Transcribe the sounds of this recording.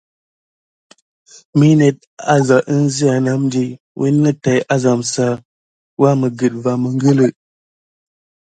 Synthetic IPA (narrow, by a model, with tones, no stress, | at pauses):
mi˦ne˦t̚a˦za˨ʔə˦n˦zi˦a˨na˦mdi˨ | wʔḛ˦nː˦ə˦ta˨ja˦za˨msa˦ | wa˦mə˨ɡɨ˨t̚va˨mə˨ŋ˦ɡə˦lə˨